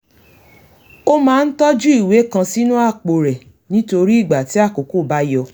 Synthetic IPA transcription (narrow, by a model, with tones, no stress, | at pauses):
o˦mãː˦˧n̩˦tɔ˦d͡ʒu˦i˦˨we˨˦kã˧si˦nũ˦a˦˨k͡po˨ɾɛ˨ | nĩ˨˦to˧ɾi˦i˦˨ɡ͡ba˨ti˨˦a˦˨ko˨ku˦˨ba˦jɔ˧